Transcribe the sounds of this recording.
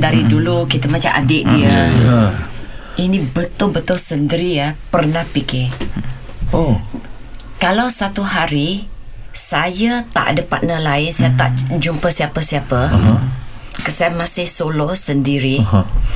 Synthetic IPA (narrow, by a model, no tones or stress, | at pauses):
daɾidulukit̪əmat͡ʃamʔa̰dɪʔdiə | inĩbət̪ʊlbət̪ʊlsəndəɾiapərnahpikɪ | o | kalawsat̪uɦaɾi | sajat̪a̰ʔdəpat̪̚nəlaɪnsajat̪a̰ʔd͡ʒumpəsiapəsiapə | kəsajamãsɪhsolɔsəndiɾi